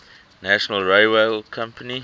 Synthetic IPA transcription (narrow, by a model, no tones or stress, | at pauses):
næʃənəlɹeɪweɪlkʰãmpəni